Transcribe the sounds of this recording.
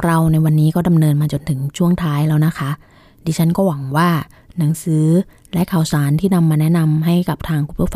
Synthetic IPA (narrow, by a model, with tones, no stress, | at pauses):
ŋɾa˧wna˧jwa˧nːiː˦˥kɔː˥˩da˧mnɤː˧nmaː˧t͡ɕo˧nt̪ʰɯ˨˩˦ŋt͡ɕʰu˥˩əŋt̪ʰaː˦˥jlɛː˦˥wna˦˥kʰa˦˥ | diː˧t͡ɕʰa˦˥nkɔː˥˩wa˨˩˦ŋwaː˥˩ | na˩˦ŋsɯː˩˦˥ | lɛ˦˥ʔkʰaː˨˩˦wsaː˩˦nt̪ʰiː˥˩na˧mːaː˧nɛ˦˥ʔna˧mɦa˥˩jka˨˩p̚t̪ʰaː˧ŋkʰu˧˦˥p̪ʰu˥˩f